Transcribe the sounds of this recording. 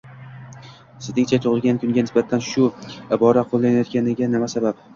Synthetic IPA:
sɪznɪŋt͡ʃʰat̪ʰʊʁɨlˠɡʲankʰʊŋɡʲanɪsbat̪ʰːanʃʊɪbɒɾaqʰolˠːanajɒt̪̚kʲanɪɡʲanɪmasabap̚

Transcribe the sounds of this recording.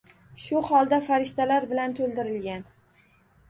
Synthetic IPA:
ʃʊhɒlˠd̪afaɾɪʃt̪alaɾbɪlant̪ʰolˠd̪ɪɾɪlɡʲan

